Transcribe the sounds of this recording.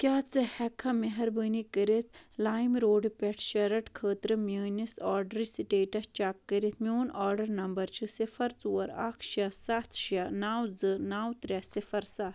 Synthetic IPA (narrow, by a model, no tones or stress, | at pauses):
kʲaːt͡sɨhɛkʰɐmeɦɐɾbənikəɾet̪ʰlaːjmɾoːɖpʲɛʈʰʃɐɾɐʈkʰəːt̪ɾɨmʲəːnisaːɾɖɾisiʈeːʈɐst͡ʃaːkːəɾit̪mioːnaːɾɖɐɾnɐmbɐɾt͡ʃʰɨsifɐɾt͡suʋɐɾakʰʃɐsat̪ʰʃanawd͡zɨnaːwt̪ɾʲasifɐɾsa